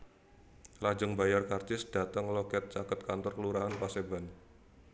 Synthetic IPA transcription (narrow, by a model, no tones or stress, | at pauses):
lad͡ʒʊŋbajarkart͡ʃɪsd̥a̤t̪əŋlokɛt̪̚t͡ʃakət̪̚kant̪ɔrkəluɾaɦanpaseban